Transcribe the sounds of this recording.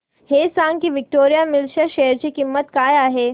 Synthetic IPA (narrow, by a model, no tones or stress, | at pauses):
hesãŋɡkiʋɪk̚ʈoːɾijamɪlʃaʃeɦəɾt͡ɕikimːət̪kaːjaːɦe